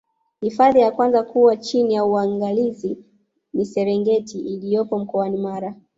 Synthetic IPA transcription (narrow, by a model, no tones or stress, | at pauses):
hifaðijakwanzakuwat͡ʃinijauaŋɡalizi | nisɛɾɛŋɡɛtiːlijɔpɔm̩kɔanimaɾa